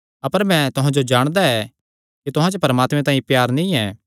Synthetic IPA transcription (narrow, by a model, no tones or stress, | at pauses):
ɐpəɾmɛ̃t̪ʊɦãd͡ʒod͡ʒaːɽ̃d̪aɛ | kit̪ʊɦãt͡ʃəpɐɾəmaːt̪mẽt̪̬ãːĩpjaːɾnĩɛː